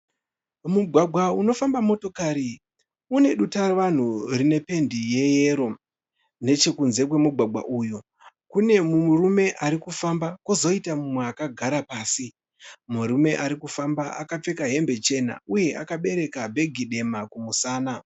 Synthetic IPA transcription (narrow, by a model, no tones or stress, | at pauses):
muɡʱwaɡʱwauno̞fambamo̞to̞kaɾi | une̞ɗutarʋan̤urine̞pe̞ndije̞je̞ɾo̞ | ne̞t͡ʃe̞kunze̞kwe̞muɡʱwaɡʱwa̰ʔuju | kune̞mumurume̞ʔaɾikufambakuzo̞itamumweakaɡʱaɾapaːsi | muɾume̞ʔaɾikufambaakap͡fe̞kaɦe̞mbe̞t͡ʃe̞na̰uje̞ʔakaɓe̞ɾe̞kabʱe̞ɡʱiɗe̞makumusaːna